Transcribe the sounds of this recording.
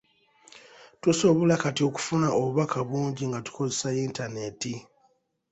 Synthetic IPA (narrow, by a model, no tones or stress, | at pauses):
tuso̞βolakatio̞ku̥funaʔoβuβakʰaβwuːɲɟiŋɡatu̥ko̞zesajiːntane̞ti